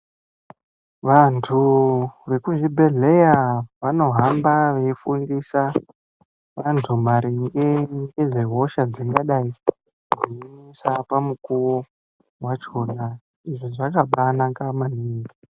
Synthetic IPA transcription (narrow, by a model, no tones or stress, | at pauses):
ʋantʰure̞kuʐibʱe̞ɮe̞jaʋano̞ɦambaʋe̞ifunɡisa | ʋantʰumaɾiŋɡeŋɡeʐeɦo̞ʃad͡ziŋɡaɗai | d͡zinisapamukuwo | wat͡ʃo̞na | iʐoʐakaɓanakamaniːŋɡi